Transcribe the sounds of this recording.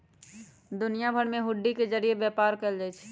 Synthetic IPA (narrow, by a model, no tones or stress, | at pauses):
d̪ʊnijabʱəɽmẽɦʊɖːikezəɾijebɛːpaːɾkəld͡ʒait͡ʃʰɛ̥